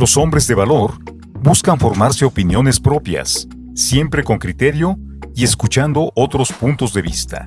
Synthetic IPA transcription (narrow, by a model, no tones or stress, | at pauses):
lo̞so̞mbɾe̞zðe̞βalo̞ɾ | buskaɱfo̞ɾmaɾse̞opinjo̞ne̞spɾo̞pja̰sː | je̞mpɾe̞ko̞ŋkɾit̪e̞ɾjo̞ | ie̞skut͡ʃand̪o̞ʔot̪ɾo̞spunt̪o̞zðe̞βḭst̪a̰